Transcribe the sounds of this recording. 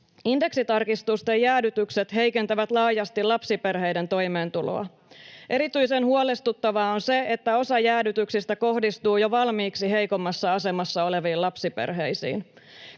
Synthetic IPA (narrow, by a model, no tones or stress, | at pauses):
inde̞ksit̪ɑrkist̪ust̪ejæːdyt̪ykset̪ɦe̞jkent̪æʋæt̪lɑːjɑst̪ilɑpsipe̞rɦe̞jde̞nt̪o̞jme̞ːnt̪ulo̰ɑ̰ | ʔe̞ɾit̪yjsenɦhuolest̪ut̪ːɑʋɑonse̞et̪ːæo̞sɑjæːdyt̪yksist̪æko̞hdist̪uːjoʋɑlmiːksiɦe̞jko̞mːɑsːɑɑse̞mɑsːɑo̞le̞ʋiːlɑpsipḛrɦe̞jsḭːn